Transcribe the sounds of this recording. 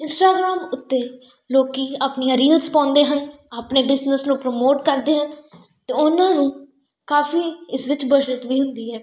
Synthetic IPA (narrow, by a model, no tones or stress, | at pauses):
ɪnsʈaːɡɾaːmʊt̪ːeː | loːkiːaːpnijãːɾiːlzpãːnd̪eːɦən | aːpneːbɪznəsnũːpɾomoːʈkəɾd̪eːɦən | t̪eːʊnãːnũː | kaːfiːɪsʋɪt͡ʃbəʃət̪ʋiːɦʊnd̪iːɦɛː